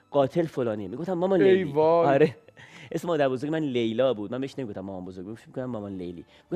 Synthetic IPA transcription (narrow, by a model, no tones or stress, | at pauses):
ɡ̥ɒːt̪ʰe̞lfolɒːniːemiɡoft̪æmːɒmɒnleelivɒːɒɾeesemɒːd̪æɾbozoɾɡʲɟemænlejlɒːbuːd̪̚mænbeheʃnemiɡoft̪æmːɒmɔːnbozoɾɡʲmiomiɡoft̪æmːɒmɒnlḛjlḭːmiɡo